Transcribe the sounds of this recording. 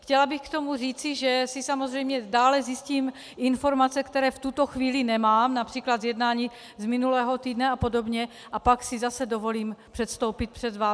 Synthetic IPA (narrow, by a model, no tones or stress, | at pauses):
xcɛlabɪxkt̪o̞mur̝iːt͡sɪʒɛsisamozr̝ɛjmɲɛdaːlɛzjɪsciːm | ʔɪnfo̞ɾmat͡sɛkt̪ɛɾɛːft̪ut̪oxviːlɪnɛmaːmnapr̥iːklad̪zjɛdnaːɲiː | zmɪnulɛːɦot̪iːdnɛapo̞do̞bɲɛ | ʔapaksɪzasɛdo̞vo̞liːmpr̝̥ɛt̪st̪o̞wpɪt̪̚pr̝̥ɛd̪vaː